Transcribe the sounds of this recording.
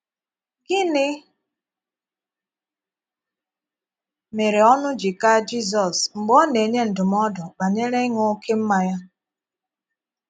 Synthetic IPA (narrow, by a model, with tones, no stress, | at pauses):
ɡɪ˦nɪ˦ | me˨ɾe˨ɔ˦nʊ˦d͡ʒɪ˨ka˦d͡ʒi˦z̬ɔ˨sm̩˨ɡ͡bɔ˦ne˨ɲe˦n̩˨dʊ˨m˦ɔ˦dɔ˨ba˨ɲe˦ɾe˦ŋo˦kʰe˦m̩˦ma˨ja˦